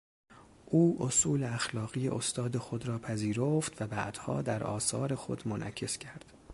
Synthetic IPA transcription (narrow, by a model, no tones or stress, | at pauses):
ʔuːʔosuːleæxlɒːɣiːjḛʔost̪ɒːd̪e̞xo̞d̪ɾɒːpʰæziːɾoft̪væbæʔd̪̥hɒ̰ːd̪æɾɒ̰ːsɒ̰ːɾe̞xo̞̰d̪monʔæ̰cʰe̞scʰæɾd̪̥